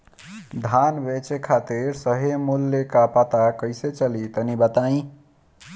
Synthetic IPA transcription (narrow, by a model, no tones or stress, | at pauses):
d̪ʱanbet͡ʃekʰat̪iɾsəɦemulːekapət̪akəjset͡ʃəlit̪ənibət̪aĩ